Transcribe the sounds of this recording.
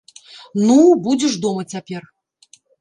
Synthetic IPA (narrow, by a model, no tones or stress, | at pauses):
nubud͡zʲɪʂd̪ɔmɐt͡sʲapʲɛr